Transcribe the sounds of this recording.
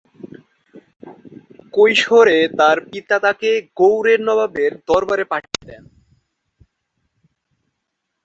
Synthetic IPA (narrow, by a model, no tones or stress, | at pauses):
kojʃoɾet̪aɾpit̪at̪akeɡowɾeɾnɔbabeɾd̪ɔɾbaɾepaʈ̚ʰːed̪ɛ̰n